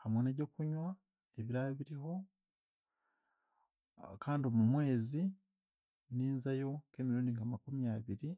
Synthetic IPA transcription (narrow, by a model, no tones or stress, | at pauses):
hamwenaɟo̞kuɲwa | eβiɾaβiɾiho̞ | kaːndio̞mumwe̞ːzi | niːnzajo̞ke̞ːmiɾuːndiŋɡamakumijaβiɾi